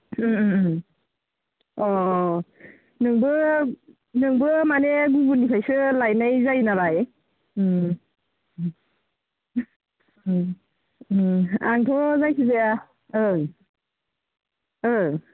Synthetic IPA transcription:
ɔ | nɯŋbɯ | nɯŋbɯmaneɡubunipʰajsɯlajnajzajnaβaj | aŋtʰɔzajkʰizeja | ɯ | ɯ

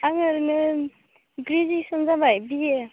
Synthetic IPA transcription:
aŋɯɾnɯ | ɡɾizisɔnzabajbije

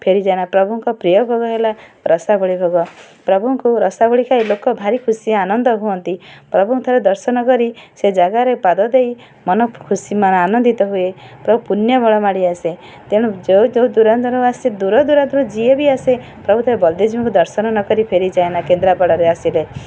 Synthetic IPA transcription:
pʰeɾid͡ʒaeñapɾɔbuŋkɔpɾijɔbʱoɡɔɦelaɾɔsabɔɭibʱɔɡɔ | pɾɔbʱuŋkuɾɔsabɔɭikʰailokɔbʱaɾikʰusiaanɔnd̪ɔɦuɔnt̪ipɾɔbʱuŋt̪ʰaɾed̪ɔɾsɔnɔkɔɾised͡ʒaɡaɾepad̪ɔd̪ej | mɔnɔkʰusimanɔanɔnd̪it̪ɔɦuepɾɔbʱupunjɔbɔɭɔmaɽiase | t̪eɽ̃ud͡ʒed͡ʒewd̪uɾad̪uɾuased̪uɾɔd̪uɾad̪uɾud͡ʒiebiase | pɾɔbʱut̪ʰaɾebɔld̪ed͡ʒiɔ̃ŋkud̪ɔɾsɔnɔnɔkɔɾipʰeɾid͡ʒaenakend̪ɾapɔɽɔɾeasile

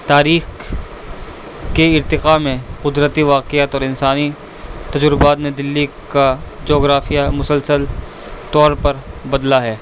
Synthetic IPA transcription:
t̪aːɾiːx | keɪɾt̪ɪqaːmẽqʊd̪ɾət̪iʋaːqɪət̪ɔːɾɪ̃nsaːni | t̪ɐd͡ʒɾʊbaːt̪ned̪ɪlːi | kad͡ʒoːɡɾaːfijamʊsəlsəl | t̪ɔːɾpɐɾbɐd̪laɦɛː

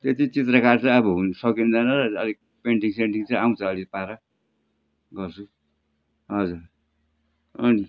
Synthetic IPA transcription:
t̪et̪it͡sit̪rʌkart͡sʌ̃j̃ʌbʌɦunsʌkiund̪ʌnʌɾʌʌ̰li | peɳʈiŋseɳʈiŋt͡sʌj̃aw̃t͡sʰʌʌlipaɾʌ | ɡʌrt͡sʰu | ɦʌd͡zuɾ | ʌ̰ni

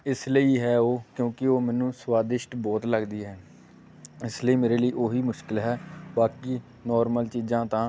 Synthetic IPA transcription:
ɪsləiːɦɛːoːkjõːkɪoːmɛːnũːswaːd̪ɪʃʈbɔːt̪ləɡd̪iːɦɛː | ɪsləiːmeːɾeːləiːʔoːɦiːmʊʃkɪlɦɛːbaːkiː | nɔːɾməlt͡ʃiːzãːt̪ãː

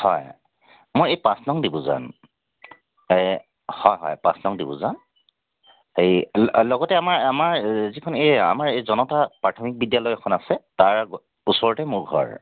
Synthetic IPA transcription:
hɔj | mojejpãsnɔŋdibʊ̃za̰n | ej | hɔjɦɔ̰jpã̰slɔŋdibʊ̰̃zan | ejlɔɡɔtɛamaɹamaɹzikʰɔneja̰maɹejzɔnɔtapɹatʰɔmik̚bidjalɔjkʰɔnasɛtaɹ | usɔɹɔtɛmʊɹɡʱɔ̰ɹ

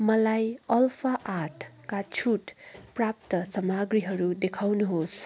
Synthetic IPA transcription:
mʌlajʌlpʰaʔaʈʰkat͡sʰuʈprap̚t̪ʌsʌmaɡɾiɦʌɾud̪ekʰawnuɦos

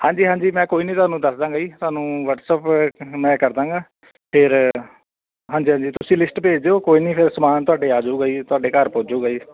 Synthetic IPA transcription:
hãːɲd͡ʒiːɦãːɲd͡ʒiːmɛ̃ːkoːiːnĩːt̪ʊaːnũːd̪əsd̪ãːɡaiːt̪ʊaːnũːʋəʈsəpmɛ̃ːkəɾd̪ãːɡaː | pʰɪɾ | ɦãːɲd͡ʒiːɦãːɲd͡ʒiːt̪ʊsĩːlɪsʈpeːd͡ʒd̪eːoːkoːiːnĩːpʰɪɾsəmaːnt̪ʊaːɖeːaːd͡ʒuːɡəiːt̪ʊaːɖeːkəɾpoːd͡ʒuːɡəiː

